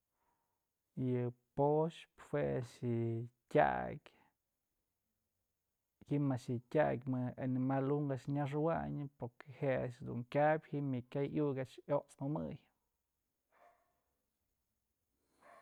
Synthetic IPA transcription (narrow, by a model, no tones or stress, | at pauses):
jɨpoʃphweaʂɨtʲa̰kʲ | himaʃɨtʲakʲmɨanimaluŋɡaʔt͡ʃɲaʂ̬ɨwa̰ɲɨpoɾkehea̰ʔt͡ʃd̪ṵŋkʲabʲhimɨkʲajjuɡʲaʔt͡ʃoʔt͡smɨmɨ̰j